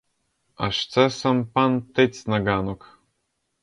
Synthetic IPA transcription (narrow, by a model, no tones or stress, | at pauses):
a̰ʂt͡sasampant̪et͡snaɡanok